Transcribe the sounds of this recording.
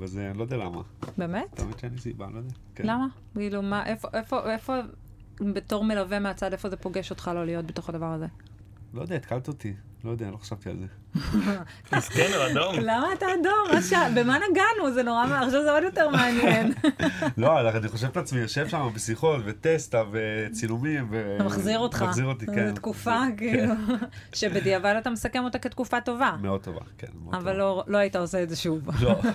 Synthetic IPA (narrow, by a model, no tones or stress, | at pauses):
vezelod̪ɛala̰ma̰bemet̪t̪a̰ḛmet̪ʃeanisiba̰lojd̪ɛakelama | kiːlumaʔefoʔe̞fo̞ʔe̞fo̞ | beto̞ʁme̞lave̞meat͡sadefo̞ze̞po̞ɡe̞ʃo̞t̪χalolijo̞t̚be̞t̪o̞χadavaʁaze | lojd̪eait̪kalt̪ot̪i | lojod̪ɛalo̞χḁʃavt̪ia̰lze | askenuad̪omlamaːtaːdomaʃabemanaɡanuzeno̞ʁamaχʃavzeod̪jo̞teʁmeanjenloalaaniχo̞ʃ̬evetat͡smijoʃe̞vʃamabesiχo̞tvet̪est̪avet͡silumimveamaχziʁo̞tχaziʁot̪iket̪kufakiːluʃe̞bediavalat̪amesake̞mot̪aket̪̚kufato̞vameo̞d̪̚t̪o̰va̰kḛnmeo̰avalːolo̞aitao̞seezeʃuvlo